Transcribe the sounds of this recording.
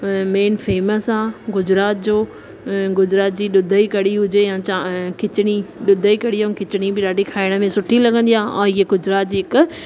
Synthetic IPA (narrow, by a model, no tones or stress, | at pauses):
meːnfeːməsãːɡʊd͡ʑɾaːt̪̚d͡ʑoː | ɡʊd͡ʑɾaːt̪̚d͡ʑiːɗʊd̪ʱəikɐɽiɦʊd͡ʑejãt͡ɕakɪt͡ɕɪɽ̃iɗʊd̪ʱəikɐɽiõkɪt͡ɕɪɽ̃ibɪɗaːɖikʰaːɪɽ̃ə̆mẽsʊʈʰilɐɡə̃nd̪ijãːã̰ːɪɦeɡʊd͡ʑɾaːt̪̚d͡ʑiːɪk